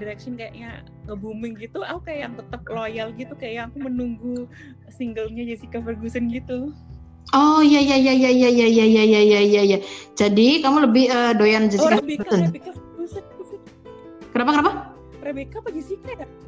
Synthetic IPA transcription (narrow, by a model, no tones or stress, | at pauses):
diɾɛkʃɔnkajaʔɲa | kəbumɪŋɡit̪uaukaajaŋt̪ət̪əp̚lojalɡit̪ukajajaŋakumənuŋɡu | siŋɡəlɲad͡ʒasikafərɡusənɡit̪u | ɔjajajaijajaijaijajajajaijaijad͡ʒadikamuləbɪhəːdojand͡ʒasikaeəneaɡusənus | kənapakənapa | ɾebekapad͡ʒisikada